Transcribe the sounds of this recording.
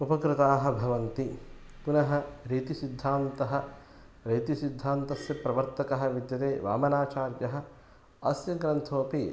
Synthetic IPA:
upɐkɾɪt̪aːɦɐ̆bʱɐʋɐnt̪i | punɐɦɐ̆ɾiːt̪isid̪ʱːaːnt̪ɐɦɐ | ɾiːt̪isid̪ʱːaːnt̪ɐsjɐpɾɐʋɐɾt̪ɐkɐɦɐʋid̪jɐt̪eːʋa̰ːmɐnaːt͡ʃaːɾjɐɦɐ̆ | ɐsjɐɡɾɐnt̪ʰoːpi

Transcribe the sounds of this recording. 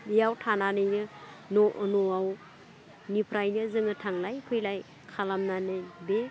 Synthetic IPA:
ijawtʰananɯjnɯnoʔnoaw | nipʰɾajnɯzɯŋɯtʰaŋlajpʰɯjlaj | kʰalamnanɯjbe

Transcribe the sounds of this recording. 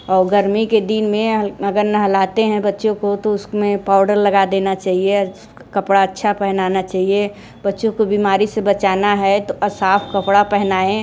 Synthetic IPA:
ɔːɾɡəɾmiked̪ɪnmẽɐɡəɾnɐɦɐlaːt̪eɦɛ̃bɐtːʃõkot̪oʊsmẽpaːʊɖəɾlɐɡad̪eːnat͡ʃaːɦie | kɐpɽaɐtːʃʰapɛɦnaːnat͡ʃaːɦie | bɐtːʃõkobiːmaːɾisebɐt͡ʃaːnaɦɛt̪oʔɐsaːpʰkɐpɽapɛɦnaːẽ

